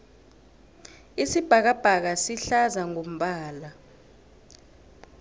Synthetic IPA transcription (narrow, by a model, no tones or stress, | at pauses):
isib̥ʱak̬ab̥ʱak̬asiɬazaŋom̩ɓaːla